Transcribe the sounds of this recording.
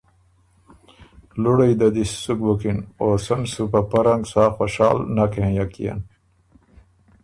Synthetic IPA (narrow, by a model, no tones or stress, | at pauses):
luɽəjd̪ad̪issukbukinoːsɐmsupapɐɾɐŋɡsaːxoɕaːlnakeɦẽjakḭja̰n